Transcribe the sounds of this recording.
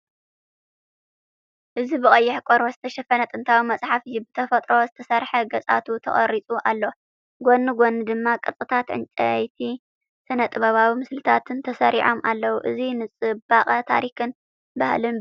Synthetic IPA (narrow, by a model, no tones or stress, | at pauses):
ʔɨzibɨχʼɐjːɪħkʼoɾbozɨt̪ʰɐʃɐfɐnɐt̪ʼɨnt̪ʰawimɐsʼħafɨjːubɨt̪ʰɐfɐt̪ʼɾo̞zɨt̪ʰɐsɐɾħɐɡɐt͡sʼa̰t̪ʰut̪ʰɐ̰χʼɐ̰ɾit͡sʼuʔalːo | ɡʷonːɨɡonːɨd̪ɨmːakʼɨt͡sʼɨt̪ʰat̪ʕɨ̰nt͡ʃʼɐjt̪ʰi | sʰɨnɐt̪ʼɨβɐβawimɨslɨt̪ʰat̪ʰɨnt̪ʰɐsɐɾiʕo̞mʔa̰lːɐwuʔɨ̰zinɨt͡sʼɨbaχʼɐt̪ʰa̰ɾikɨn | bahlɨn